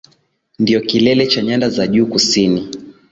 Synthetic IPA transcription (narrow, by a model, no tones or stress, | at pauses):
ndiɔkilɛlɛt͡ʃaɲandazaʄuːkusini